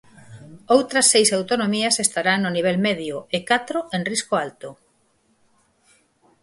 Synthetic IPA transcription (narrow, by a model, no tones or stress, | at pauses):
owt̪ɾɐsːejsawt̪onomiɐsest̪aɾaŋnoniβ̞ɛlmeðjʊekat̪ɾoenriskoalt̪o